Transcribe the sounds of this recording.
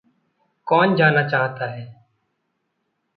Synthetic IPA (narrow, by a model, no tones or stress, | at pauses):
koːnd͡ʒaːnaːt͡ʃaːɦt̪aːɦɛː